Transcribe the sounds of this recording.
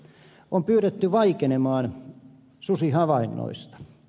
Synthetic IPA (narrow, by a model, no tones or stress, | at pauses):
ʔompyːret̪ːyʋɑikenemɑːn | susihɑʋɑinːo̰ist̪ɑ̥